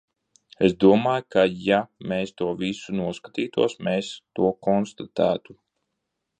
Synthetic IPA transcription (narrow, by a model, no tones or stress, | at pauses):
esd̪uɔmaːjkʰajameːst̪uɔvisunuɔskḁt̪iːt̪uɔsmeːst̪uɔkɔnst̪at̪æːt̪u